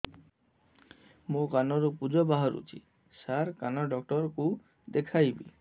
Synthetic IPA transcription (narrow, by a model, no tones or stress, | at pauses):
mokanoɾupud͡ʑobaɦaɾṵt͡ɕḭ | saɾkanɔɖɔk̚ʈɔɾku | d̪ekʰajbḭ